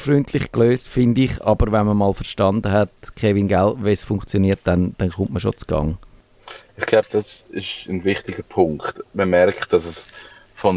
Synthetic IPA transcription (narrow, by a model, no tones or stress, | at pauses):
fryntʰlɪχkløːstfɪndɪχɑbəɾvɛnməmɑːlfəɾʃtɑnd̪əɦɛtkχevinɡɛltvesfʊŋkt͡sjoniət̚d̥ɛnd̥ɛnχʊmtməʃot͡sɡ̥ɑ̰ŋ | ɪχɡ̥laʊb̥əd̥ɑsɪʃənvɪχtɪɡəpʰʊŋktməmɛɾkχt̚d̥ɑsɛs | fon